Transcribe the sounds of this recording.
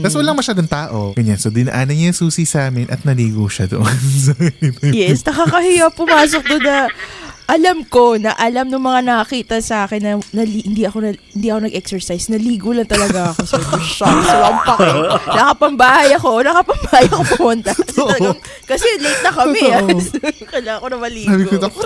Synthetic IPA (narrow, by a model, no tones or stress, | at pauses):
t̪ɐswɐlaŋmɐʃaːd̪oŋt̪aːʔoɡɐɲːansod̪ɪnɐʔaːnɐŋɲaŋsuːsisaːmɛnʔɐ̰t̪̚nɐliːɡoʃɐd̪o̰ʔonsɐɪjɛsnɐkaːkɐhɪjɐpːʊmaːso̞k̚d̪onɐʔɐlɐmko̞nɐʔɐlamnʊŋmɐŋanɐkɐkiːt̪ɐsɐʔaːkɛnːɐnɐlhɪnd̪iɐko̞nɐɪnd̪iːɐko̞nɐɡʔɛksɛɹsajsnɐliːɡolɐnt̪ɐlɐɡaɐkosʊʃasoʔɐmpɐkanɐkɐpɐmbajɐkonɐkɐpɐmbɐhajɐkopʊmʊnt̪aɐs | kɐsɛlejt̪̚nɐkɐmɛ | kɐlaːɐkonɐmɐliːɡo